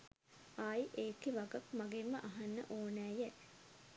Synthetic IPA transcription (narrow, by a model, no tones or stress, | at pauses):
aːjʔeːkiʋaɡɐkmaɡemːəʔaɦanːə̰ʔoːnæːjæ